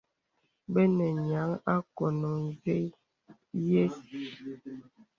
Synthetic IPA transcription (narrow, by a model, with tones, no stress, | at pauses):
bə˦nɛ˨ɲa˨˦ŋa˦kɔ˨no˨nze˦ | je˦s